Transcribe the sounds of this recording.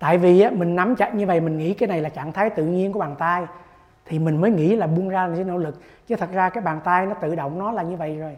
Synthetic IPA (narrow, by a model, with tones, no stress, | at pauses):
t̪a̰ː˧˨jvi˨˩ʔaː˨˦mï˨˩ŋ̟na˨˦mt͡ɕa̰˧˨ɲɨ˧və̰˧˨jmï˨˩ŋ̟ŋḭ˧˥kaː˨˦jna˨˩jlaː˨˩t͡ɕa̰˧˩˨ŋt̪ʰaː˨˦jt̪ɨ̰˧˨ɲi˧ənku˧˩˦ɓaː˨˩nt̪aː˧j | t̪ʰi˨˩mï˨˩ŋ̟məː˨˦jŋḭ˧˥laː˨˩ɓu˧ənzaː˧lːaː˨˦no̰˧˥lɨ˨˩k̚ | t͡ɕə˨˦t̪ʰə˨˩t̚zaː˧kaː˨˦jɓaː˨˩nt̪aː˧jnɔ˨˦t̪ɨ̰˧˨ɗo̰˧˨wŋ͡mnɔ˨˦laː˨˩ɲɨ˧və̰˧˨jzo˨˩j